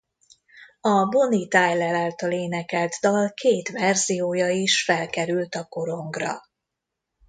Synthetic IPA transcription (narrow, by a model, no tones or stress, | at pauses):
ɒbo̞nit̪aːjlɛlaːlt̪ɒleːnɛkɛlt̪d̪ɒlkʰeːt̪ʋɛrzijoːjɒiʃfɛlkɛɾylt̪ɒko̞ɾo̞ŋɡrɒ̰